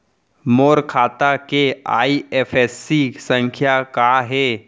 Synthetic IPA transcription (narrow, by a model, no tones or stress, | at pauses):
moːɾkʰaːt̪akeaiefesːisə̃ŋkʰjakaɦe